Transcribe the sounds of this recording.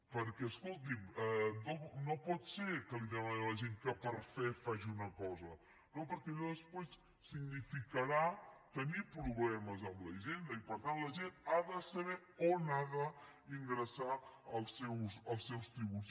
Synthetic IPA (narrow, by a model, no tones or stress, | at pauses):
pəɾkɛəskolˠt̪̬imɛnonopɔt̪seɾkəliðɛmanələʒeŋkəpəɾfɛfaʒiunəkɔzə | nopəɾkɛððəspes | siɡnifikəɾat̪ənipɾuβlɛməzəmləʒend̪əipəɾt̪anləʒenaðəsəβɛ | onaðəiŋɡɾəsaəlˠsɛwsəlˠsːɛwst̪iβut͡s